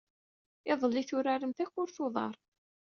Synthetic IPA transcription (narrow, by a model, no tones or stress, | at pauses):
ɪðˤəlːiθʊɾaɾəmθæçʊɾθoðˤɑ̰ɾˤ